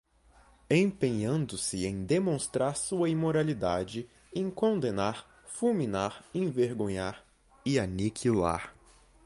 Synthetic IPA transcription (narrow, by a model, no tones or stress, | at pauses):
ẽpẽɲɐ̃nd̪ʊsɪẽj̃d̪emõst̪ɾaɾsuɐimoɾalid̪ad͡ʒɪ | ẽj̃kõnd̪enaɾ | fuminaɾẽveɾɡõɲaɾ | ɪanikʰila̰ɾ